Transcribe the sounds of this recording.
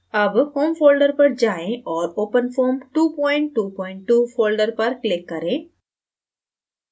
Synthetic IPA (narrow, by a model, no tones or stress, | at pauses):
ɐbhoːmfoːlɖəɾpɐɾd͡ʒaːẽʔɔːɾoːpənfʰoːmʈuːpɔːɪɳʈːuːpɔːɪ̃ɳʈːuːfoːlɖəɾpɐɾklɪkːɐɾẽ